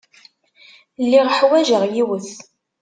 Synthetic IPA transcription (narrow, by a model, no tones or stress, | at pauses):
lːiʁəħwæʒəʁjiwəθ